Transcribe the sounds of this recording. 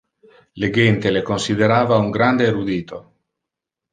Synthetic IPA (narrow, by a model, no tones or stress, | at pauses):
leɡɛnt̪elekonsid̪eɾaːvauŋɡɾand̪eːɾud̪iːt̪o